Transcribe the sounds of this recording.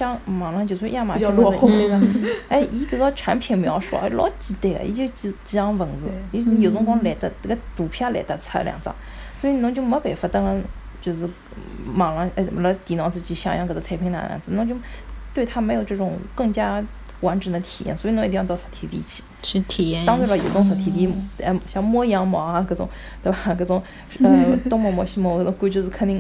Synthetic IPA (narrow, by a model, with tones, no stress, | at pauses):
ɑ˥ŋmɑ˨˩ŋlɑ˧˥ŋt͡ɕjo˧˩sʰwja˥˩ma˨t͡ɕe˥˩ʔi˧˥ɡə˧ʈ͡ʂʰa˧˥npʰi˨˩nmjɑ˧˥ʊʂṵ˥˩a̰˥lɔ̰˧˥t͡ɕi˧˥t̪e˥˩ɡə̰˨ḭ˧˥t͡ɕt͡ɕt͡ɕi˧˥ɑ˥ŋfə˨˩˦nd͡zɹ̩˧jo˨˩t͡sʊ˥ŋkwɑ˥ŋlɛ˨˩t̪ə˧˩˥ɡə˧˩t̪u˨˩pʰja˥lɛ̰˨˧˩t̪a˥˧t͡sʰa˥˧ljɑ̰˨˩ŋt͡sɑ̰˥˩˦ŋ | swɔ˧˥i˧˩nʊ˧˥ŋt͡ɕo˥ŋmə˧˥pe˨˩fa˥˩t̪ɑ˥ŋɑ˧˥ŋ | t͡ɕjo˥˧ʊʂɻ̩˥˩ | mɑ˨˩ŋla˧˥ŋ˧˥˩lə˧˥t̪i˨˩nwɑ˧˥t͡sɹ̩˥˧t͡ɕi˧˥ɕjɑ̰˨˩ŋjɑ̰˥ŋkt͡s̪t͡sʰa˥ɪpʰi˧˥ŋna̰˧na̰˧˥nt͡sɹ̩˥˩nʊ˧˥ŋt͡ɕjʊ˥t̪we˥˩ɪt̪ʰa˥me˧˥jo˨˩ʊʈ͡ʂɤ˥˩ʈ͡ʂʊ˨˩ŋkɤ˥˩ŋt͡ɕja˥ | wa˧˥nʈ͡ʂə˨˩d̪ə˦t̪ʰi˨˩jɛ̰˥nswi˧˩n˧˥˧t̪i˥˧˥ɑ˥˧˩sɔ̥˧˩t̪ʰi˧˥˩t̪ḭ˧˥˧t͡ɕʰi̥˧˦ʂ̩˥˧t̪ʰjɛ˥˩ɑ˥ŋt͡su˥˩la˧˩jo˨˩ʊt͡sʊ˧˥ŋsə˧˩t̪ʰi˧˥t̪i˧˥˩ɕjɑ˥˧ŋmwɔ˥jɑ˧˥ŋmɔ˧˥a˧kɤ˧˥t͡sʊ̰˨˩˦ŋ | t̪we˥˧ba˧˩kɤ˧˩t͡sʊ˧˥ŋ | ə˧t̪ʊ˥ŋmwɔ˧˥˩mwɔ˧˥ɕi˥mɔ˧˥˧kɤ˥˩t͡sʊ˧˥ŋku˥t͡ɕɔ˧ʂɹ̩˥˧kʰə˥ni˧˥